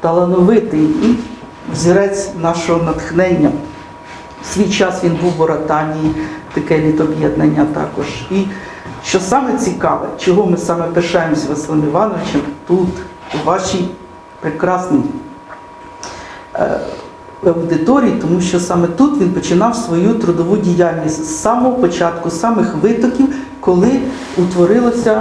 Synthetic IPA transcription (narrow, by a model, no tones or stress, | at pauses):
t̪ɐlˠɐnɔʋɪt̪ɪi | wzʲiɾɛt͡sʲnɑʃɔɦɔnɐt̪xnɛnʲːɐ | sʲʋʲijt͡ʃɑsʋʲinbuwʋɔɾɐt̪ɑnʲijit̪ɐkɛʋʲid̪ɔbjɛd̪̚nɐnʲːɐt̪ɑ̰kɔʒi | ʃt͡ʃɔsɑmɛt͡sʲikɑʋɛ̰t͡ʃɔɦɔmɪsɑmɛpeʃɑjemɔsʲɐʋɐslˠɪmɪʋɑnɔʋɪt͡ʃɛmt̪ut̪ | ʋɑʃij | pɾɪkɾɑsnij | ɐwd̪ɪt̪ɔɾʲijit̪ɔmuʃt͡ʃɔsɑmɛt̪ut̪ʋʲinpɔt͡ʃɪnɑwsʋɔjut̪ɾʊd̪ɔʋudʲijɑlʲnʲisʲtʲsɑmɔɦɔpɔt͡ʃɑt̪kʊsɑmɪxʋɪt̪ɔkʲiw | kɔlˠɪ | ut̪ʋɔɾɪlˠɔsʲɐ